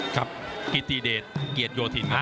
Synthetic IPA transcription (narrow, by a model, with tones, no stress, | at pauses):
kʰa˦˥p̚ki˧t̪iː˧deː˨˩t̪̚ki˨˩ət̪̚joː˧t̪ʰi˩˦na˦˥